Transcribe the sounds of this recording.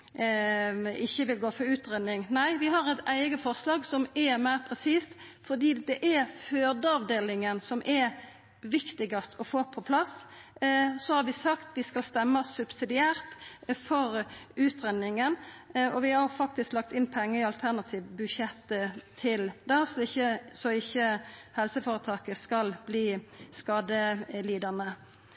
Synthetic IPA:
ɪçːəʋɪlɡoːfɔɾʉːt̪ɾɛnːɪŋnæɪʋɪɦɑʁɛt̪æɪɡəfɔʁslɑːɡsɔmɛʁmæɪʁpʰɾɛsiːst̪ | fɔʁd̪iːd̪ɛʔɛɾføːd̪əɑʋd̪eːlɪŋənsɔmʔɛɾ | ʋɪkt̪ɪɡɑst̪ɔfoːpʰɔpʰlɑs | sɔhɑɾʋɪsɑkt̪d̪ɪskɑlst̪ɛmːəsʉbsɪd̪ɪæːɾt̪fɔɾʉːt̪ʁɛnːɪŋənɔʋɪhɑfɑk̚t̪ɪsklɑk̚t̪ɪnpʰɛŋːəɪɑlt̪ʰæʁnɑt̪ʰiːʋbʉʃjɛt̪ːət̪ʰɪld̪ɛsɔɪçːəsɔɪçːəhɛlsəfoːɾət̪ʰɑːkəskɑlb̥liːskɑːd̪əliːd̪ɑnə

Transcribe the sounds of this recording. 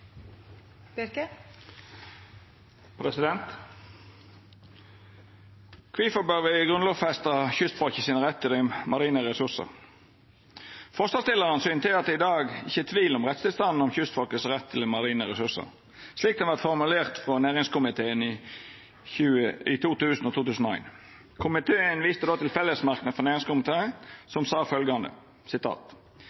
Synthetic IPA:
pʰɾɛsɪd̪ɛnt̪ | kʰʋiːfɔbœʋəɡʁʉnloːʋfɛst̪əçʏst̪fɔlkəsiːnəʁɛt̪ʰːɪlɛmɑʁiːnəʁɛsʉsə̰ʁ | fɔsɑst̪ɪlːəʁənsyːnt̪ʰɪlɑt̪̚ɪd̪ɑːɡɪçːət̪ʰʋiːlɔmʁɛt̪st̪ʰɪlst̪ɑnn̩ɔmçʏst̪fɔlkəsʁɛt̪ʰːɪlɛmɑʁiːnəɾɛsʉsə̰ | sliːkd̪ɛnʋæʁt̪fɔʁmʉleːʁt̪fʁɔnæːʁɪŋskʊmɪt̪ʰeːən | ʉːɪt̪ʰuːt̪ʉːsnɔt̪uːt̪ʉːsn̩ɔæ̰ɪn | kʰʊmɪt̪ʰeːənʋiːst̪əd̪oːt̪ʰɪlfɛlːəsmɑʁknəfɔnæːʁɪŋskʊmɪt̪ʰeːəsɔmsɑːfœlɡɑnd̪ə̰ | sɪt̪ʰɑ̰ːt̪

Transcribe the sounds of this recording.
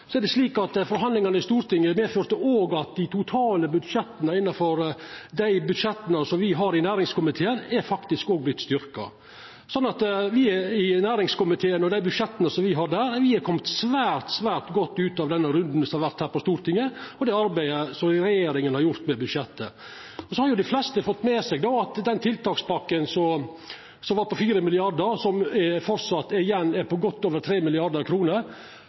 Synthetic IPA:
sɔɛɾɖ̪ɛsliːkɑt̪fɔɾɦɑnd̪lɪŋɑnəɪst̪uːɾt̪ɪŋːəmeːføːɾt̪əoːɡɑt̪̚d̪ɪt̪ʰʊt̪ʰɑːləbʉd̪ʂɛt̪ːənəɪnːɑfɔɾd̪æɪbʉd̪ʂɛt̪ːənəsɔmʋɪɦɑɾɪnæːɾɪŋskʊmɪt̪ʰeːənɛɾfɑkt̪ɪskoːɡ̚blɪt̪ːst̪ʏɾkɑ̰ | sɔnːɑt̪ʋɪɪnæːɾɪŋskʊmɪt̪ʰeːənɔd̪æɪbʉd̪ʂɛt̪ːənəsɔmʋɪɦɑd̪æːɾʋɪɛkʰɔmt̪sʋæːɾt̪sʋæːɾt̪ɡɔt̪ːʉːt̪ɑʋd̪ɛnːəɾʉnd̪n̩sɔɑɾʋæɾt̪hæːɾpɔst̪uːɾt̪ʰɪŋːəɔd̪ɛɑɾbæɪəsɔɾɛjeːɾɪŋənhɑɾjʊɾt̪mɛbʉd̪ʃɛt̪ːə | ɔsɔhɑɾjʊd̪ɪflɛst̪əfɔt̪ːmɛsɛɡd̪oːɑt̪d̪ɛnt̪ʰɪlt̪ɑːkspɑkːənsɔ | sɔmʋɑɾpɔfiːɾəmɪlɪɑɖ̪əɾsɔmɛfɔɾsɑt̪ːɪjɛnːɛɾpɔɡɔt̪ːoːʋəɾt̪ʰɾeːmɪlɪɑɾɖ̪əɾkʰɾuːnəɾ

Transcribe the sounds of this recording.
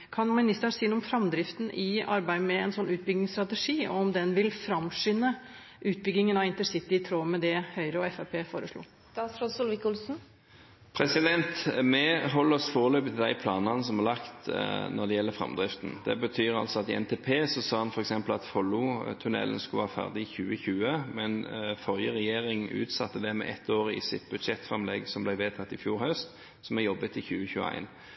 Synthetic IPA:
kʰɑnmɪnɪst̪əɳsiːənuːmfɾɑmd̪ɾɪft̪n̩ʔɪɑ̰ɾbæɪd̪mɛɛnsɔnːʉːt̪̚bʏɡnɪŋst̪ɾɑt̪ɛʂiːɔɔmd̪ɛnʋɪlfɾɑmʂʏnːə | ʔʉːt̪̚bʏɡ̪ːɪŋənɑɪnt̪əsɪt̪ːɪt̪ʰɾoːmɛd̪ɛhœʏɾəɔɛfæpʰeːfoːɾəʂlṵ̥ː | ɾɔsʊlʋɪkʊlsn̩ | pʰɾɛsɪd̪ɛnt̪mɛɦɔləɔsfoːʁəløːpət̪ʰɪld̪æɪpʰlɑ̰ːnɑnəsɔmɑʁlɑkt̪nɔd̪ɛjɛlːəfʁɑ̰md̪ʁɪft̪n̩d̪̥ɛ̰bət̪ʰyːʁɑ̰lsɔɑt̪ɪɛ̰nt̪ʰeːpʰeːsɔsɑːhɑnfɔɾɛksɛmpəl̩ɑt̪fɔlːʊt̪ʰʉnɛ̰lən̩skʉʋɑhɑːfæ̰ʁd̪ɪɪçʉːəçʉːəmɛnfɔljəʁɛjeːʁɪŋʉ̰ːt̪sɑt̪ːəd̪ɛmɛ̰ʔɛt̪ːoːʁɪ̰sɪt̪bʉd̪ʃɛt̪fʁɛmlɛɡsɔmblæɪʋeːt̪ʰɑt̪ːɪfjuːɾhœst̪ | sɔmɛjɔbːət̪ɪçʉːəçʉːə̰æ̰ɪn

